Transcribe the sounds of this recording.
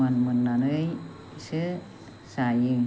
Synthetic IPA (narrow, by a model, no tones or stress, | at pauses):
anmənːanəj | sə | sajɯ